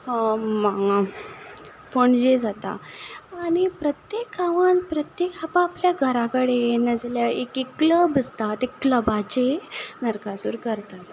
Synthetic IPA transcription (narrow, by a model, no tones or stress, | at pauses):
ma | foɳd͡ʑed͡zat̪a̰aːɽ̃ipɾət̪jekaʋənpɾət̪jekapaːpljaɡʱəɾakəɽenəd͡zljaekikləbəd͡zt̪at̪ekləbat͡ɕenəɾkasṵːɾkəɾt̪at̪